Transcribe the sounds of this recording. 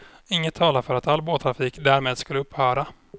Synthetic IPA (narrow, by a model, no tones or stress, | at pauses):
ɪŋːət̪ʰːɑːlafœɾat̪alːboːt̪ʰɾafiːkd̪æːɾmeːd̪skɵlːəɵpːhœːɾa